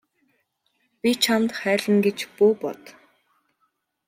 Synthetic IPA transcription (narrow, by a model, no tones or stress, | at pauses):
pʲit͡ɕʰamt̪χæːɮə̆ŋɡet͡ɕpuːpɔ̰t̪